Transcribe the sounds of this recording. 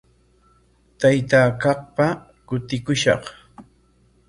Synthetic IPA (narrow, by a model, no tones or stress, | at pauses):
t̪ajt̪aːkɑqpa | kʊt̪ɪkʊʃɑ̰χ